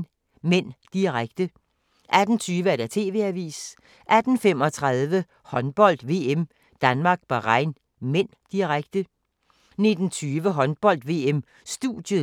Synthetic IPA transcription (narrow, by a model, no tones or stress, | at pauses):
men̰d̥iʁaɡ̥d̥ə | ʔæd̥n̩t͡sʰyːʋəæɐd̥æt͡sʰe̝̰ːʋe̝̰æʋḭːs | ʔæd̥n̩femɒ̽t͡sʰʁɑðˠʋə | hɒ̽nb̥ɒ̽l̰d̥ʋe̝ːem | d̥ænmɑ̈ːɡ̥b̥ɑ̈ʁɑ̈ɪ̰n | men̰d̥iʁaɡ̥d̥ə | ne̝d̥n̩t͡sʰyːʋəɦɒ̽nb̥ɒ̽l̰d̥ʋe̝ːem | sd̥ṵd̥jə